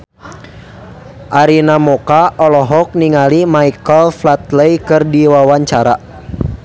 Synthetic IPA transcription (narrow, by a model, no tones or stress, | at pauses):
ʔaɾinamɔkaʔɔlɔɦɔk̚niŋalimaikəlflat̪̚ləjkɨrdiwawaɲt͡ʃaɾa